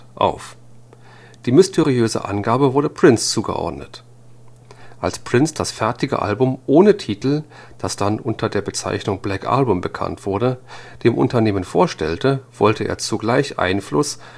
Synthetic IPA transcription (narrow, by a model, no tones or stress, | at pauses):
ʔa̰ʊf | d̥iːmʏstʰɛʁiøːzə̰ʔa̰nɡaːbəvʊɐdəpʁ̥ɪnst͡suːɡə̰ʔɔ̰ɐdnət | ʔalspʁ̥ɪnsd̥asfɛɐtɪɡə̰ʔa̰lbʊmʔoːnətʰiːtl̩ | d̥asd̥anʔʊntʰɐdeːɐbət͡sa̰ɪçnʊŋblɛkʔa̰lbʊmbəkʰa̰ntv̥ʊɐɾəd̥eːmʔʊ̰ntɐneːmənfoːɐʃtɛltəv̥ɔltəʔḛːɐt͡suɡlaɪçʔa̰ɪnflʊs